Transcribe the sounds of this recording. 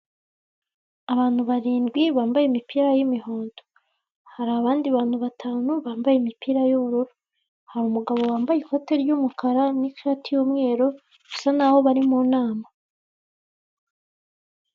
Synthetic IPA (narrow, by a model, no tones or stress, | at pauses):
aβaːn̥huβaɾiːndɡwiβaːmbajemipiɾajimiho̞ːndo | haɾaːβaːndiaβaːnhuβatʰaːnuβaːmbajemipiɾajuβuɾuɾu | haɾuːmuɡaβo̞waːmbajiko̞te̞ɾjumukʰaɾanikatijuːmŋe̞ːɾo̞ | ɡ̥usanaho̞βaɾimuːnaːma